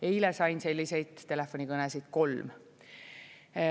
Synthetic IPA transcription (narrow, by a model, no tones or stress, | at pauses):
eilesɑjnse̞lʲːise̞jd̪̥t̪ːe̞lefːonʲikɤnesid̪̥ko̞lm